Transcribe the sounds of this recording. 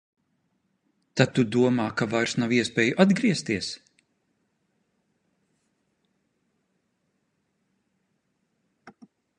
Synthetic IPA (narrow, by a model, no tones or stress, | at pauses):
t̪at̪ud̪uɔmaːkavajɾsnawiɛspʲeːjuʔad̪ɡɾiɛst̪iɛs